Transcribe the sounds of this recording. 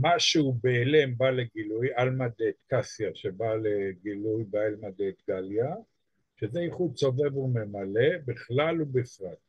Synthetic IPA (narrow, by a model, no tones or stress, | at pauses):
maʃeubeːlembaleɡilujalmadet̪kasjaʃebaleɡilujbaelmad̪et̪ɡalja | ʃezeiχudso̞ve̞vume̞male̞biχlalubifʁat̪